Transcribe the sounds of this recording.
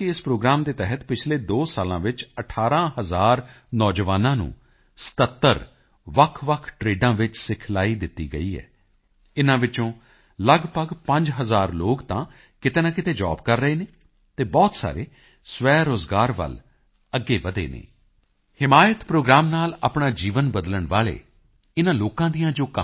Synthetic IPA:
kɪɪspɾoːɡɾaːmd̪eːt̪ɛɦət̪pɪt͡ʃʰleːd̪oːsaːlãːʋɪt͡ʃəʈʰaːɾãːɦəzaːɾnɔːd͡ʒəʋaːnãːnṵ̃ː | sə̥t̪ət̪ːəɾ | ʋəkʰʋəkʰʈɾeːɖãːʋɪt͡ʃsɪkʰlaːiːd̪ɪt̪ːḭːɡəiːɦɛ̰ː | ɪnãːʋɪt͡ʃõː | ləɡpəɡpə̃ɲd͡ʒɦəzaːɾloːɡt̪ãː | kɪt̪eːnaːkɪt̪eːd͡ʒɔ̰ːbkəɾːəeːneː | t̪eːbɔːt̪sa̰ːɾḛː | sʋɛːɾoːzɡaːɾʋə̰l | əɡːeːʋəd̪ḛːnḛː | hɪmaːjət̪pɾoːɡɾaːmnaːlaːpɳaːd͡ʒiːʋənbəd̪ələɳʋa̰ːlḛː | ɪnãːloːkãːd̪ijãːd͡ʒoːk

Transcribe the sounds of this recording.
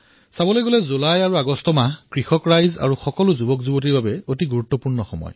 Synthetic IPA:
sabɔlojɡolɛzulajaɹuaɡɔstɔmakɹixɔkɹajza̰ɹuxɔkɔlʊzubɔkzubot̬iɹbabɛotiɡuɹutːɔpuɹnɔxɔ̰mɔ̰j

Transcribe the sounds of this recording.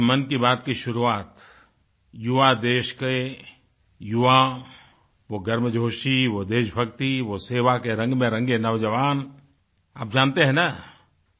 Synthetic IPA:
mɐnkibaːt̪kiʃʊɾuaːt̪ | juʋad̪eːʃke | jʊʋa | ʋoɡɐɾməd͡ʒʱoːʃiʋod̪eːʃbʱɐkt̪iʋoseːʋakeɾɐ̃ŋɡmẽɾɐ̃ŋɡenɐʋd͡ʒɐʋaːn | a̰ːp̚d͡ʒaːnt̪eɦɛ̃na

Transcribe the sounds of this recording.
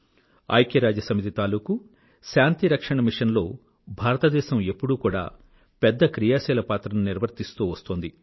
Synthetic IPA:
ɐ̰jkjɐɾaːd͡ʒɐsɐmit̪it̪aːluːku | ʃaːnt̪iɾɐkʂɐɳɐmiʂɐnlo̞ː | bʱaːɾɐt̪ɐd̪ɛːʃɐme̞pːuɽuːkuːɽa̰ː | pɛd̪ːɐkɾijaːsɛːlɐpaːt̪ɾɐnuniɾʋɐɾt̪ist̪uːʋɐst̪oːnd̪i

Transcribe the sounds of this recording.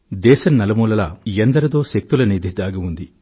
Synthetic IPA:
d̪ɛːʃɐnːɐlɐmuːlɐlaend̪ɐɾɐd̪o̞ːʃek̚t̪ulɐniːd̪ʱid̪aːɡɐund̪i

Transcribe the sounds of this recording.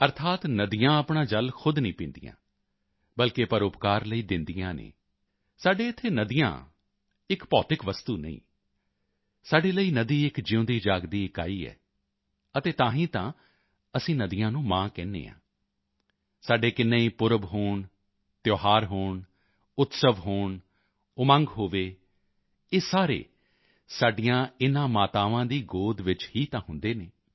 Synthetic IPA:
əɾt̪ʰaːt̪nəd̪ijãːəpɳaːd͡ʒəlkʰʊd̪nĩːpĩːnd̪ijã̰ː | bəlkeːpəɾʊpkaːɾləiːd̪ɪnd̪ijãːnḛː | saːɖeːɪt̪ʰːeːnəd̪ijã̰ː | ɪkpɔːt̪ɪkʋəst̪uːnə̰ḭ̃ː | saːɖeːləiːnəd̪iːɪkd͡ʒɪũːnd̪iːd͡ʒaːɡd̪iːɪka̰ːiːɛ̰ː | ət̪eːt̪ãːɦĩːt̪ã̰ː | əsĩːnəd̪ɪjãːnũːmãːkɛ̃ːnːḛːã̰ː | saːɖeːkɪnːẽːiːpʊɾəbɦoːɳ | t̪joːɦaːɾɦoːɳ | ʊt̪səʋɦoːɳ | ʊmə̃ŋɡɦoːʋeː | eːsaːɾḛː | saːɖijãːɪnãːmaːt̪aːʋãːd̪iːɡoːd̪ʋɪt͡ʃhiːt̪ãːɦʊ̃nd̪eːneː

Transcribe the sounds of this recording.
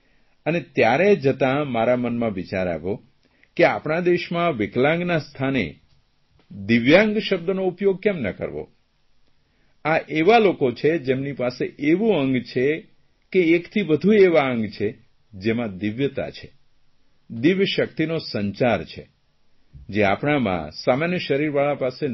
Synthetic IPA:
ənet̪jaɾed͡ʒət̪ãmaɾamənmãʋit͡ʃaɾa̰ʋo | kea̰pɳad̪eʃmãʋɪklãŋɡnast̪ʰanḛ | d̪ɪʋjãŋɡʃəb̚d̪ənoupjoɡ̚kɛmnə̰kə̰ɾʋo̰ | aʔeʋalokot͡ʃʰed͡ʒemnipaseʔeʋũəŋɡt͡ʃʰe | keːkt̪ʰibəd̪ʱueʋaəŋɡt͡ʃʰe | d͡ʒemãd̪ɪʋjət̪a̰t͡ʃʰe̥ | d̪ɪʋjəʃək̚t̪inosəɲt͡ʃaɾt͡ʃʰe | d͡ʒeapɳamã̰samanjəʃəɾiɾʋaɭapase

